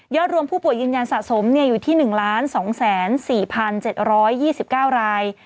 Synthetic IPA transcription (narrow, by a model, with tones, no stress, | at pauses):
jɔː˥˩t̪̚ɾu˧əmpʰuː˥˩pu˨˩əjːɯː˧nja˧nsa˨˩so˩˦mni˥˩ɐjuː˨˩t̪ʰiː˥˩nɯ˨˩ŋlaː˦˥nsɔː˩˦ŋsɛː˩˦nsiː˨˩pʰa˧nt͡ɕe˨˩t̪̚ɾɔː˦˥jːiː˥˩si˨˩p̚kaː˥˩wɾaː˧j